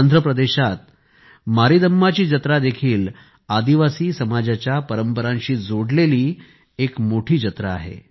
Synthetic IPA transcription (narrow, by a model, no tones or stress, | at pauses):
nd̪ʱɾəpɾəd̪eɕat̪̚ | maɾiːd̪əmːat͡ɕiːd͡ʑət̪ɾad̪ekʰiːl | ad̪iʋasiːsəmad͡ʑat͡ɕjapəɾəmpəɾãnɕiːd͡zoɽleliː | ekmoʈʰiːd͡ʑət̪ɾaa̰ɦḛ